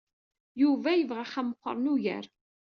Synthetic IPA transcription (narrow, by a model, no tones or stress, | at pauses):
juvæjəvʁaχæməqːə̰ɾˤnuʝə̰ɾ